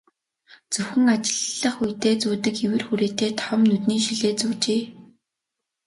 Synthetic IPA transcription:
t͡sɵwxɘ̆ŋat͡ɕɪ̥̆ɮːə̆χujt̪eːt͡suːt̪ɘ̆kewɘ̆rxuɾeːt̪eːt̪ʰɔmnut̪niːʃiɮeːt͡suːt͡ɕeː

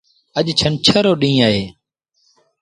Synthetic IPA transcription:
əʄt͡ʃʰənt͡ʃʰəɾoːɗĩːaːɦeː

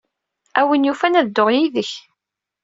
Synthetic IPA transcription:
æwinjufænæðd̪ːoʁjiðəç

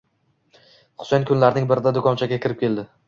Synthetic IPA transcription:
χʊ̥sankʲʰʊnlaɾnɪŋbɪɾɪd̪ad̪ʊkʰɒnt͡ʃʰaɡʲakʲʰɪɾɪp̚kʲʰe̞ld̪ɪ

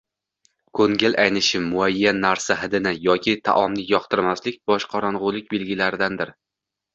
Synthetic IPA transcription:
kʰɵŋɡʲɪlʔajnɪʃɪmːʊajːanːaɾsaɦɪd̪ɪnɪjɒkʲʰɪt̪ʰa̰ʔɒmnɪjɒqt̪ʰɪɾmaslɪk̚ʲbɒʃqʰɒɾɒnʁʊlˠɪk̚ʲbe̞lɡʲɪlaɾɪd̪and̪ɪɾ

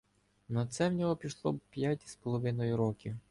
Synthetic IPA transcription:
nɐt̪sɛwnʲɔɦɔpʲiʃlˠɔpʲjatʲi̥spɔlˠɔʋɪnɔjʊɾɔkʲiw

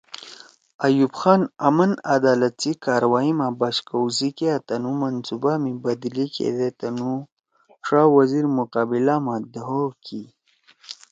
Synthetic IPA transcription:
ajubxɑːnamanad̪aːlat̪t͡sikaːɾwaːimabaʃkawzikeat̪anumansubamibad̪ilikʰḛd̪et̪anu | ʂaːwaziɾmuqɑːbilamad̪aɦokʰi

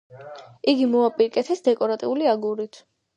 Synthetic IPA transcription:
iɡimɔapʼiɾkʼɛt̪ʰɛsd̪ɛkʼɔɾat̪ʼiuliaɡuɾit̪ʰ

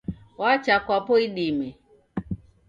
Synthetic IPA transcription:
wat͡ʃakwapɔiɗimɛ

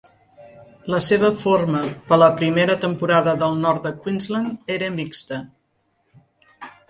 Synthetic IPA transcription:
ləseβ̞əforməpələpɾimeɾət̪əmpuɾaðəðəlˠnɔrt̪̚d̪əkwinzləneɾəmikst̪ə

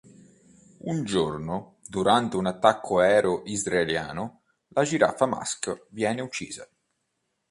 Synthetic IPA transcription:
und͡ʒorno | d̪uɾant̪eunat̪ːakʰːoɛːɾoʔizɾaelja̰ːnʊ | lad͡ʒiɾa̰fama̰skvjɛːneut͡ʃːḭːza

